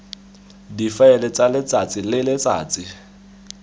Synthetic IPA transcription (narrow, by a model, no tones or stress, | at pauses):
difaɛlɛt͡salɪt͡sʼat͡sʼɪlɪlɪt͡sʼa̰ːt͡sɪ